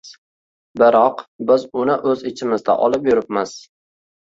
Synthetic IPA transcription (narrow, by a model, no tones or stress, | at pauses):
bɪɾɒqbɪzʊnɪʔɵzɪt͡ʃʰɪmɪzd̪a̰ʔɒ̰lˠɪpjʊɾɪp̚maz̥